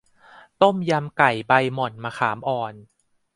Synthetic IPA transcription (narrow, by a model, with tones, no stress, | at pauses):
t̪o˥˩mja˧mka˨˩jba˧jmɔ˨˩nmaː˧xʰaː˩˦mʔɔː˨˩n